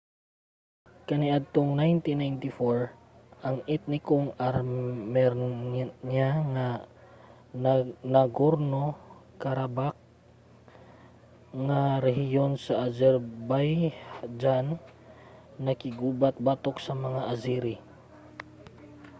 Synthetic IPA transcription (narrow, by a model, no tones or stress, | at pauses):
kɐniʔad̪̚t̪oŋnajnt̪inajnt̪ifoɹ | ʔɐŋɛt̪̚nɪkoŋaɾmɛɾɲaŋa | nɐɡoɾnokɐɾabak̚ | ŋaɾɛɦɪjo̞nsɐʔazɛɾbajd͡ʒanː | ɐkɪɡuːbat̪̚bat̪ok̚sɐmɐŋaʔɐziɾi